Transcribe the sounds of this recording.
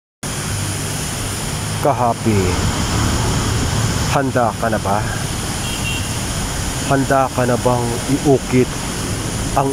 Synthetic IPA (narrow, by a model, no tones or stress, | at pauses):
kɐɦaːpɪ | hɐnd̪aːkɐnɐba | hɐnd̪aːkɐnɐbaŋ | ɪʔuːkɪt̪ | ɐŋ